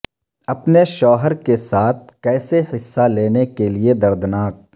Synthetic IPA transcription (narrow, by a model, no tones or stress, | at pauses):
ɐpneʃɔːɦəɾkesaːt̪̚ʰkɛːsehɪsːaleːnekelied̪ɐɾd̪naːk̚